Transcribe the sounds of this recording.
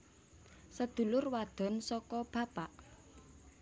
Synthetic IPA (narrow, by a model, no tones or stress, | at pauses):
səd̪̥ṳlʊrwad̪̥ɔ̤nsɔkɔb̥a̤paʔ